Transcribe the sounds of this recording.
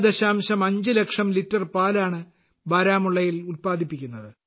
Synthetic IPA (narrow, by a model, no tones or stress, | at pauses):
d̪ɐɕaːmɕɐmɐɲd͡ʑɨle̞kʂɐmlitːɐrpaːlaːɳɨ | bɐːɾaːmuɭːɐjilulpaːd̪ʱipːikʲːunːɐðɨ